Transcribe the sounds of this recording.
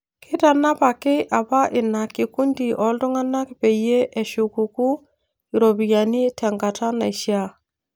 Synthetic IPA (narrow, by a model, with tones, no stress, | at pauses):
kʰɪ˦ta˨na˦pa˨kɪ˦ʔa˨pa˦ʔɪ˨na˨ki˨ku˦ndi˨ʔɔ˨˦ldɔ˦ŋa˦na˦kɪ˨pe˨je˦ʔɛ˨ʃu˨ku˨ku˦ | i˨ɾo˨bi˨ja˨ni˦tɛ˨ŋɡa˨ta˦na˨i˨ʃja˦